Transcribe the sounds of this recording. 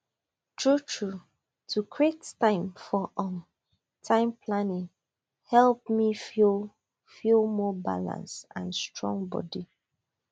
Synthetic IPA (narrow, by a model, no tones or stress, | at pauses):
tɹutʰɹu | tʰukʰɹettãɪ̃mfɔʔɔ̃m | tʰãɪ̃mpʰlanɪ̃ŋ | hɛlˠp̚mifil | filˠmɔba̰lã̰nsãnstɹɔ̰̃ŋbɔ̰di